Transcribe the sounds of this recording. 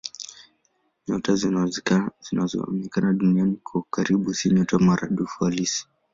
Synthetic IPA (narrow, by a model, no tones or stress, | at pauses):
ɲɔtaz | z̥inazɔ̰mikanaɗunianikʰɔkaɾiɓusiɲɔtamaɾa̰ɗufualisi̥